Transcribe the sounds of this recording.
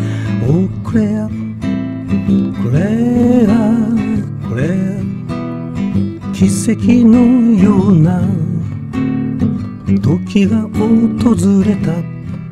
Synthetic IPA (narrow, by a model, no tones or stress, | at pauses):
okoɾea | koɾeɾa | koɾe | kʲisːe̞kʲinojona | d̪okʰʲiɡaot̪o̞zɨɾe̞t̪a